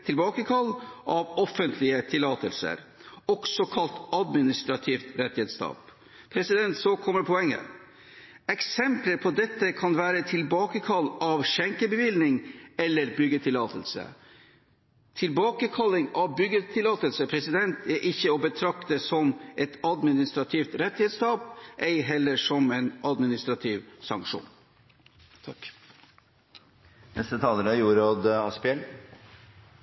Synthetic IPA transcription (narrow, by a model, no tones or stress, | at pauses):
t̪ʰɪlbɑːkəkʰɑlːʔɑʋɔfənt̪ʰlɪət̪ʰɪlːɑːt̪əlsə̰ɾ | ɔɡ̥sɔkʰɑlt̪ɑd̪mɪnɪst̪ɾɑt̪ʰiːft̪ɾɛt̪ːɪheːt̪st̪ɑ̰ːp | pʰɾɛsɪd̪ɛnt̪sɔkʰɔmːəɾpʰɔɛŋːə̰ | ɛksɛmpləɾpʰɔd̪ɛt̪ːəkʰɑnʋæːɾət̪ʰɪlbɑːkəkʰɑlːɑʋʃɛŋkəbəʋɪlnɪŋɛlːəɾbʏɡət̪ʰɪlɑːt̪ʰəlsə̰ | t̪ʰɪlbɑːkəkʰɑlːɪŋɑʋbʏɡːət̪ʰɪlɑːt̪əlsəpʰɾɛsɪd̪ɛnt̪ʰæʔɪçːəobət̪ʰɾɑkt̪əsɔmʔɛt̪ʰɑd̪mɪnɪst̪ɾɑt̪ʰiːft̪ɾɛt̪ːɪhɛːd̪skɑːpʔɛɪɦɛlːəʂɔmɛɪnʔɑd̪mɪnɪst̪ɾɑt̪ʰiːʋsɑŋkʂṵːn | t̪ʰɑk | nʔɛst̪ət̪ʰɑːləɾəjuːɾoːd̪ɑspɪɛl